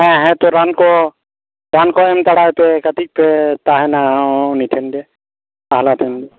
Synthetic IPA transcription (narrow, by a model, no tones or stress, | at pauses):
ɦɛ̃ɦɛ̃t̪ɔɾankɔ | ɾankɔɛmt̪əɽajpɛkət̪ik̚pɛt̪aɦɛnaniʈʰɛndɛ | aɦlat̪ʰɛmdɛ